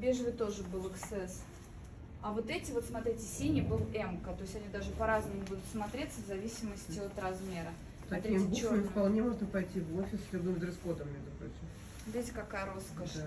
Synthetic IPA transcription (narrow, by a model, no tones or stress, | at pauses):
bʲeʐvɨt̪o̞ʐɨbɨlˠɨksɛs | ɐvo̞t̪ɛtʲɪvo̞t̪smɐt̪ɾʲitʲɪsʲinʲɪbɨlˠɛmkət̪o̞ɪsʲtʲɐnʲid̪aʐɨpɐɾaznɨmʊbud̪ʊt̪smɐt̪ɾʲet̪ʲsəvzɐvʲisʲɪməsʲtʲɪo̞t̪ɾɐzmʲe̞ɾə | t̪ɐt̪k̪ɾibumɨfpɐlˠnʲemo̞ʐnəpɐjtʲivofʲɪsʲɪd̪nɨmzɾɨsxod̪əmːʲeʐd̪ʊpɾo̰t͡ɕɪm | d̪ʲetʲkɐkajəɾo̞skəʂ